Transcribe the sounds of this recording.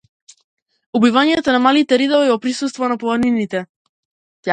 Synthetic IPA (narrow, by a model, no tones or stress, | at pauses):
ubivaɲjɛt̪ɔnamalit̪ɛɾid̪ɔvˠiɛvɔpɾisust̪vɔnapɔlˠaɾninit̪ɛ